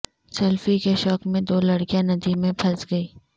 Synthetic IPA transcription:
sɐlfikeʃɔːkmẽd̪oːlɐɽkijãnɐd̪imẽbʰɐsɡɐiː

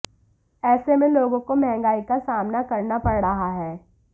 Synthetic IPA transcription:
ɛːsemẽloːɡõkomɛɦɛ̃ŋɡaːikasaːmnakɐɾnapɐɽɾɐɦaɦɛː

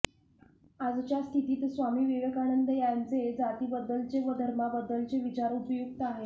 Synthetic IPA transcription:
ad͡zt͡ɕjast̪ʰit̪iːt̪sʋamiːʋeʋəkaɽ̃ənd̪əjant͡sed͡zat̪iːbəd̪ːəlt͡seʋəd̪ʱəɾmabəd̪ːəlt͡seʋit͡ɕaɾupəjukt̪əaɦe

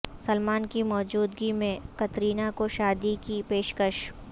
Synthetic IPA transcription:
sɐlmaːnkimɔːd͡ʒuːd̪ɡimẽkɐt̪ɾiːnakoʃaːd̪ikipeːʃkəʃ

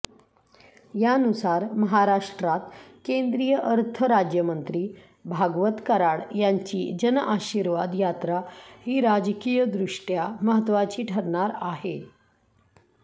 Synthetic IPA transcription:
janusaɾməɦaɾaʂʈɾat̪kend̪ɾijəʔəɾt̪ʰəɾad͡ʑjəmənt̪ɾiː | bʱaɡʋət̪kəɾaɭjaɲt͡ɕḭːd͡ʑənʔaɕiɾʋad̪jat̪ɾahiːɾad͡ʑkijəd̪ɾuʂʈjaməɦət̪ːʋat͡ɕiːʈʰəɾɳaɾaɦe

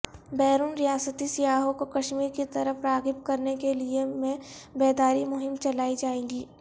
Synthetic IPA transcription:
bɛːɾuːnɾɪjaːsət̪isɪjaːɦõkokɐʃmiːɾkit̪ɐɾəfɾaːɡɪp̪̚kɐɾnekeliemẽbɛːd̪aːɾimʊɦɪmt͡ʃɐlaːid͡ʒaːẽːɡiː

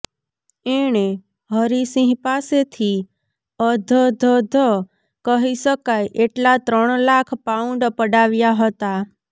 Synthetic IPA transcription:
eɳ̃e | ɦəɾisĩɦpaset̪ʰi | əd̪ʱəd̪ʱəd̪ʱə | kəɦiʃəkajʔeʈlat̪ɾəɳ̃lakʰpaũɳɖpəɽaʋjaɦət̪a

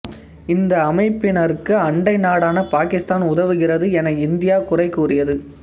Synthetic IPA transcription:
ɪnd̪ɐːmɐɪpːɪnɐɾkːɯɐɳɖɐɪnaːɽaːnɐpaːkɪst̪aːnʊðɐʋɯɣɪrɐðɯɛnɐɪnd̪ɪjaːkʊrɐɪkːuːrɪjɐðɯ

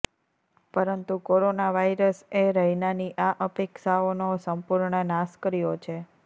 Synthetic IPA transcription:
pəɾənt̪ukoɾonaʋaiɾəseɾəɦinaniʔaʔəpekʃaonosəmpuɾɳənaskəɾijot͡ʃʰe

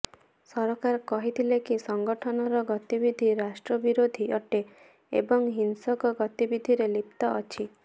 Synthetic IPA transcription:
sɔɾɔkaɾkɔɦit̪ʰilekisɔŋɡɔʈʰɔnɔɾɔɡɔt̪ibid̪ʱiɾasʈɾɔbiɾod̪ʱiɔʈe | ḛbɔŋɦinsɔkɔɡɔt̪ibid̪ʱiɾelipt̪ɔʔɔt͡ʃʰi

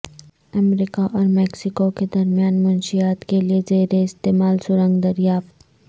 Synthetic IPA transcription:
ɐmɾiːkaʔɔːɾmɛːksɪkoked̪ɐɾmijaːnmʊnʃijaːt̪keliezeːɾeɪst̪eːmaːlsʊɾə̃ŋɡd̪ɐɾijaːft̪

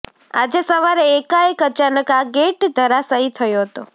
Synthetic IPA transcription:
a̰d͡ʒesəʋaɾeːkaekət͡ʃanəkaɡeʈd̪ʱəɾasait̪ʰəjoɦət̪o

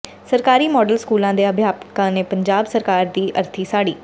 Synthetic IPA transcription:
səɾkaːɾiːmɔːɖəlskuːlãːd̪eːəbʱjaːpkãːneːpəɲd͡ʒaːbsəɾkaːɾd̪iːʔə̰ɾt̪ʰiːsaːɽiː

